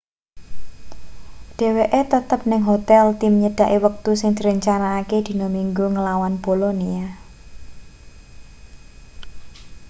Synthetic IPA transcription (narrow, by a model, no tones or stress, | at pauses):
ɖ̥e̤weʔet̪ət̪əp̚nɪŋɦot̪ɛlt̪ɪmɲəɖ̥a̤ʔiwək̚t̪usɪŋd̪̥i̤ɾəɲt͡ʃanaːked̪̥i̤nɔmiŋɡuŋəlawanbolonia